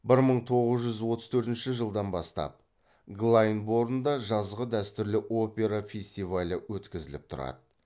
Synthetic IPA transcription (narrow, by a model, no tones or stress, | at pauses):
bɪɾməɴt̪ʰo̞ʁəzʒʏzwo̞t̪əzt̪ʰɵɾt̪ɪnʃɪʒəlˠd̪ɑnbɑst̪ɑ̰p̚ | ɡlˠajnbo̞ɾd̪ənd̪ɑʒɑzʁəd̪æst̪ʏɾlɪʔo̞pʲe̞ɾafʲe̞sʲt̪ijvalʲəwɵt̪kʲɪzɪlɪ̰p̚t̪ʰʊɾɑ̰d̪ə